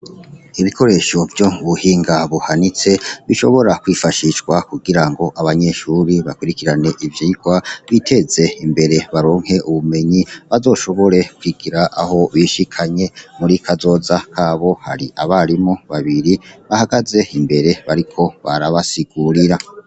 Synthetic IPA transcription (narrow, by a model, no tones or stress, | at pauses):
iβikʰo̞ɾe̞ʃo̞vjoβuhiːŋɡaβuhanit͡se̞βiʃo̞̰βo̞ɾakwifaʃiʃɡwakuɡiɾaŋɡo̞ʔaβaɲe̞ʃuːɾiβakwuɾikiɾane̞ʔivjiːɡ̥waβitʰe̞ze̞imbe̞ɾe̞βaɾo̞ːŋ̥he̞ʔuβume̞ɲiβazo̞ːʃo̞βo̞ɾe̞kwiɡ̥iɾaʔaho̞βiʃikʰaɲe̞muɾikʰazo̞ːzakʰaːβo̞ha̰ɾiʔaβaɾimo̞βaβiɾiβahaɡaze̞imbe̞ɾe̞βaɾikʰo̞βaɾaβasiɡ̥uɾiɾa